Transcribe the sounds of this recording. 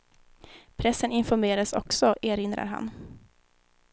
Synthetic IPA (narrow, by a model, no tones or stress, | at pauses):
pʰɾɛsːənɪnfɔɾmeːɾad̪sɔ̰ksɔʔeːɾɪnd̪ɾa̰ɾɦa̰n